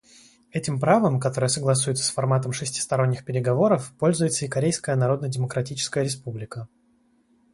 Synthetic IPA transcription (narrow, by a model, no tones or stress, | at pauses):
ɛtʲɪmpɾavəmkɐt̪o̞ɾəjəsəɡlˠɐsuɪt̪sə̥sfɐrmat̪əmʂɨsʲtʲɪ̥st̪ɐɾo̞nʲːɪxpʲɪɾʲɪɡɐvo̞ɾəfpo̞lʲzʊjɪt̪səɪkɐɾʲejskəjənɐɾo̞d̪nədʲɪməkɾɐtʲit͡ɕɪ̥skəjəɾʲɪspublʲɪkə